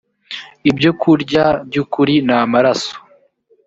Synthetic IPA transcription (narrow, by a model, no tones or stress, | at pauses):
ibɟo̞kʰuɾɟabɟukuɾinamaɾaso̥